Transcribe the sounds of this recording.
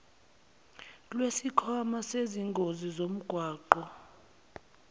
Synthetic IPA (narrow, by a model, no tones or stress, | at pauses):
lwesikʰɔmaseziŋɡʱozizom̩ɡ̥ʱwaːǃɔ